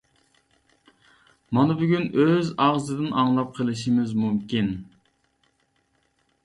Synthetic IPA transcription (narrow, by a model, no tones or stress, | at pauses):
mɑnɨbyɡʲynøzɑʁzɨd̪ɨnʔɑŋlˠɑp̚qʰəlˠɪʃimɪzmumkʲin